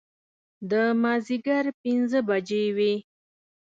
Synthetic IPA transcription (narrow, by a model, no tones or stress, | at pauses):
d̪əmɑziɡaɾpinzəbad͡ʒewe